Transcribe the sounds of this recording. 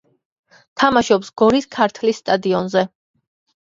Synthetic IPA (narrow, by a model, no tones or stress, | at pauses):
t̪ʰamaʃɔpsɡ̥ɔɾiskʰaɾt̪ʰlisːt̪ʼad̪iɔnzɛ